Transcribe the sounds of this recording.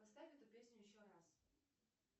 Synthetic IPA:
pɐst̪afʲɛt̪ʊpʲesʲnʲʊjɪɕːoɾas

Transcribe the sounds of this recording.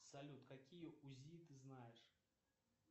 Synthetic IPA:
sɐlʲut̪kakʲijəuzʲit̪ɨznajɪʂ

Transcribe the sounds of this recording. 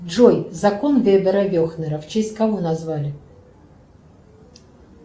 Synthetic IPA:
ʐɔjzakɔnvʲɛbʲɛɾɐvʲɔxnɛɾɐft͡ʃɛsʲt̪ʲkavɔnazvalʲɪ

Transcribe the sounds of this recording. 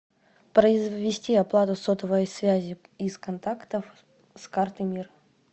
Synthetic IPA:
pɾəɪzvʲɪsʲtʲiɐplˠat̪ʊsot̪əvəjəjsvʲæzʲɪ | iskɐnt̪akt̪əf | skart̪ɨmʲir

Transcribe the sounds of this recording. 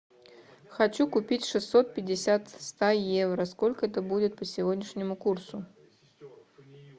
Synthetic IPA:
xɐt͡ɕukʊpʲitʲʂɨsːot̪̚pʲɪdʲɪsʲat̪st̪ajevɾəskolʲkəɛt̪əbudʲɪt̪̚pəsʲɪvodʲnʲɪʂnʲɪmʊkursʊ

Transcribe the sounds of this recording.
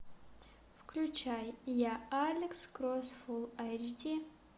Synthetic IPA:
fkʰlʲut͡ʃʰajjaalʲekskrosfulˠajd͡ʒdi

